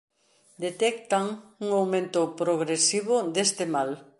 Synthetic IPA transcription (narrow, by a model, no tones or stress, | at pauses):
d̪et̪ɛkt̪aŋuŋawmẽnt̪ʊpɾoɣɾesiβʊd̪est̪ɪmal